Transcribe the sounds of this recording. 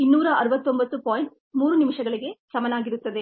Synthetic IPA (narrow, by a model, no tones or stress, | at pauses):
inːuːɾɐʔɐɾɯʋɐt̪ːombɐt̪ːɯpoːjɪɳʈ̚ | muːɾɯnɪmɪʂɐɡɐɭɪɡesɐmɐnaːɡɪɾɯt̪ːɐðe